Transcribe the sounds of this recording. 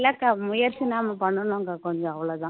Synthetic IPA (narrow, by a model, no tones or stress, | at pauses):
lɐkamʊjɐɾsinaːmɐpɐɳːɐnõŋɡɐkɔɲd͡ʒɔ̃ɐʋɐɭoːd̪ãː